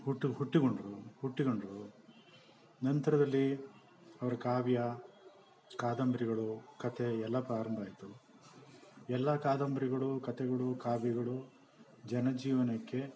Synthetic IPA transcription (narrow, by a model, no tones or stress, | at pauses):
huʈːiɦuʈːiɡoɳɖɾuhuʈːiɡoɳɖɐɾu | nɐnt̪ɐɾɐd̪ɐlːi | ɐʋɐɾɐkaːbijɐ | kaːd̪ɐmbɾiɣɐɭukɐt̪ʰeɛlːɐpɾaːɾɐmbʱaːjit̪u | ɛlːɐkaːd̪ɐmbɐɾiɡɐɭukɐt̪ɛɡɐɭukaːbjiɡɐɭu | d͡ʒɐnɐd͡ʒiːʋɐnɐkːe̞